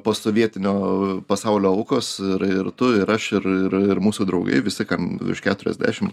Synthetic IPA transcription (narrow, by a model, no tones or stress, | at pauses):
poːsoːʋʲiɛt̪ʲɪnʲoːpɐsɐʊlʲoːʊkoːsɪɾɪɾt̪ʊɪɾɐʃɪɾɪɾɪɾmuːsuːd̪ɾɐʊɡɐ̰ɪʋʲɪsʲɪkɐmʲɪ̰ʃkʲæːt̪ʊɾʲɛ̰zʲd̪ʲæ̰ːʃʲɪm